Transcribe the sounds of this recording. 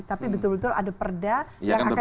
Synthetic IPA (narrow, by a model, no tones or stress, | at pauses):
t̪apibət̪ʊlbət̪ʊla̰dapərdajaŋaka